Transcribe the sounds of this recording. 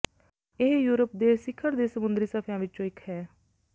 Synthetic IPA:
ɪɦjuːɾəp̚d̪eːsɪkʰːəɾd̪eːsəmʊnd̪ɾiːsəpʰjãːʋɪt͡ʃt͡ʃõːɪkʰhɛː

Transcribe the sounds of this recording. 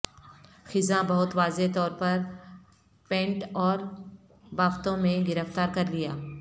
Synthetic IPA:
xɪzãbɐɦʊt̪ʋaːzet̪ɔːɾpɐɾ | pẽːɳʈɔːɾ | baːft̪õmẽɡɪɾəft̪aːɾkɐɾlijaː

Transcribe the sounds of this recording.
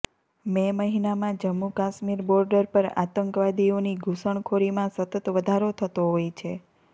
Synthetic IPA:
meməɦinamãd͡ʒəmːukaʃmiɾbɔɾɖəɾpəɾa̰t̪əŋkʋad̪ioniɡʱusəɳ̃kʰoɾimãsət̪ət̪ʋəd̪ʱaɾot̪ʰət̪oɦojt͡ʃʰe

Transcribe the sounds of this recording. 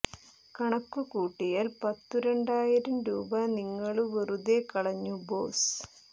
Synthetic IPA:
kɐɳɐkːukuːʈːijaːlpɐt̪ːuɾeɳɖaːjiɾɐmɾuːbɐniŋːɐɭuʋeruðekɐɽɐɲːubo̞̰ːs

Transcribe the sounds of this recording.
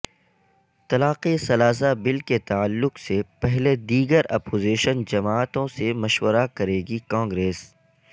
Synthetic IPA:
t̪ɐlaːqesɐlaːs̬abɪlket̪aːəlːʊqsepɛɦled̪iːɡəɾɐ̰poːziːʃənd͡ʒɐmaːt̪õsemɐʃwəɾakɐɾeːɡikãːŋɡɾeːs

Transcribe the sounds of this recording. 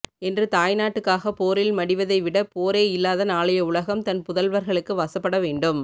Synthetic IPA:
ɛndrɯt̪aːjnaːʈːɯkːaːɣɐpoːɾɪlmɐɽɪʋɐðɐɪʋɪɽɐpoːɾeːɪlːaːðɐnaːɭɐjɐʊɭɐɣɐmt̪ɐnpʊðɐlʋɐɾɣɐɭɯkːɯʋɐsɐpːɐɽɐʋeːɳɖɯm

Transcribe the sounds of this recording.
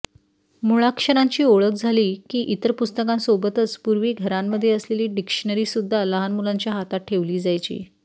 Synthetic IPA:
muɭakʂəɾaɲt͡ɕiːoɭək̚d͡zʱaliːkiːʔit̪əɾpust̪əkãnsobət̪ət͡spuɾʋiːɡʱəɾamːəd̪ʱːjeəsleliːɖikʂəɳəɾiːsud̪ʱːaləɦanmulaɲt͡ɕjaɦat̪at̪̚ʈʰeʋliːd͡zajt͡ɕḭː

